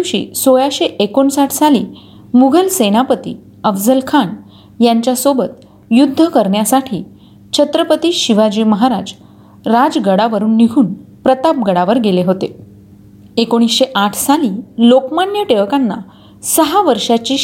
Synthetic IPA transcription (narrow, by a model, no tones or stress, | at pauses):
ɕḭːsojaɕeʔekoɳsaʈʰsaliː | muɡʱəlsenapət̪ḭː | əfd͡zəlkʰaɳ | jaɲt͡ɕjasobət̪ | jud̪ʱːəkəɾɳjasaʈʰiː | t͡ɕʰət̪ɾəpət̪iːɕiʋad͡ʑiːməɦaɾad͡z | ɾad͡zɡəɽaʋəɾuːnːiɡʱuːn | pɾət̪ap̚ɡəɽaʋəɾɡeleɦot̪e | ekoɽ̃isɕeʔaʈʰsaliːlokmanjəʈeʋkanːa̰ | səɦaʋəɾʂat͡ɕiː